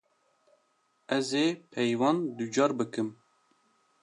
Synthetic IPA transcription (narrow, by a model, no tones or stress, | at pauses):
ɛzeːpʰɛjwɑːnd̪ud͡ʒɑːɾbɨkɨm